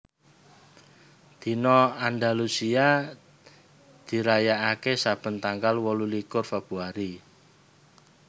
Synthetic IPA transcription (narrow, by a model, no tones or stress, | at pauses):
d̪̥i̤nɔand̪alusia | d̪̥i̤ɾajaʔakesab̥ə̤nt̪aŋɡalwɔlulikʊrfab̥ṳaɾi